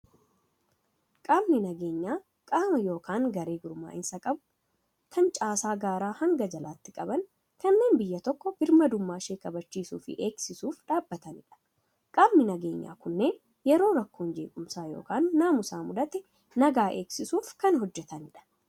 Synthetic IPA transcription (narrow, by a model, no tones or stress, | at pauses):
kʼaːbnɪnɐɡe̞ːɲːaː | kʼaːmɐjo̞ːkaːŋɡɐɾe̞ːɡʊɾma̰ːʔɪnsɐkʼɐbʊ̥ | kʰɐnt͡ʃʼaːsaːɡaːɾaːhɐŋɡɐd͡ʒɐlaːt̪ːɪkʼɐbɐn | kɐnːe̞ːnbɪjːɐt̪ɔkːɔbɪɾmɐd̪ʊmːaːʃeːkɐbɐt͡ʃːiːsṵːfɪ̰ʔeːɡsɪsuːfᶑaːbːɐt̪ɐnɪᶑɐ̥ | kʼaːmnɪnɐɡe̞ːɲːa̰ːkʊnːe̞ːn | jɛɾo̞ːɾɐkːoːnd͡ʒe̞ːkʼʊmsaːjo̞̰ːkaːnːaːmʊsaːmʊd̪ɐt̪ɛ | nɐɡaːʔe̞ːksɪsuːfkɐnɦɔd͡ʒːɛt̪ɐnɪᶑɐ̥